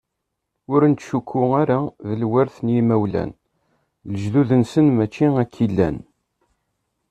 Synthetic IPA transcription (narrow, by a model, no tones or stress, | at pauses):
ʊɾənt̪ːʃukʰːʊaɾaðəlwæɾθnjimæwlæ̰n | ləʒluðənsənmæt͡ʃːiækʰːilːæ̰n